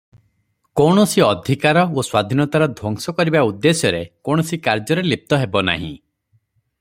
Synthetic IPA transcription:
koɳ̃ɔsiɔd̪ʱikaɾɔoswad̪ʱinɔt̪aɾɔd̪ʱwɔŋsɔkɔɾibaud̪ːesjɔɾekoɳ̃ɔsikaɾd͡ʒɔɾelip̚t̪ɔɦebɔna̰ɦḭ̃

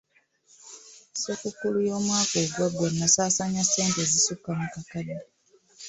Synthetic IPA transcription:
sokukulujo̞ːmwaːkoɡwaɡwenːasaːsaɲasːe̞ːntezisukːamukakani

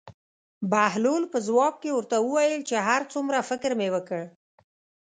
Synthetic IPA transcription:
bahlulpəzwɑb̚kewəɾt̪awəwajəlt͡ʃeɦaɾt͡sumɾafɪkɾmewəkəɽ

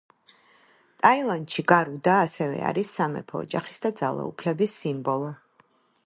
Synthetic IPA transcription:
t̪ʼailˠant̪ʃiɡaɾud̪aːsɛvɛ̰a̰ɾisːamɛ̰pʰɔ̰ːd͡ʒaχi̥sd̪ad̪za̰lˠa̰ṵpʰlɛbisːimbɔlˠɔ

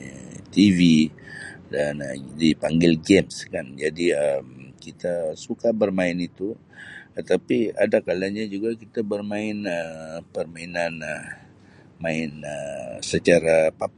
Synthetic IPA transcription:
t̪ivi | dandipaŋɡɪlɡɛmskand͡ʒadiəmkit̪asukabərmaɪnit̪u | t̪ət̪apia̰dakalaɲad͡ʒuɡakit̪abərmaɪnəpərmainanə | maɪnəsət͡ʃaɾapap

